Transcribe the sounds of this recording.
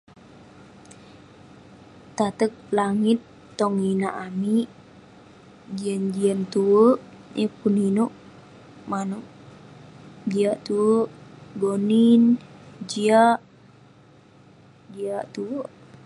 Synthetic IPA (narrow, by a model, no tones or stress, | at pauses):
t̪at̪ək̚laŋit̪ː | ɔŋinaʔamiʔ | d͡ʒiand͡ʒiant̪uwəʔ | ʔepuninoʔ | manoʔ | d͡ʒiaʔt̪uwəʔɡonind͡ʒiaʔ | d͡ʒiaʔt̪uwəʔ